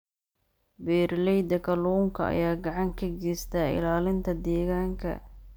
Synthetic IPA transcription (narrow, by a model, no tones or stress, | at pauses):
bɛːrlɛjd̪ɐkʰɐluːŋkʰɐɐ̰jaːɡɑʕɑŋkʰɐɡɛst̪ʰaːɪ̰laːlɪnt̪ʰɐd̪ɛːɣaːŋkʰɐ̰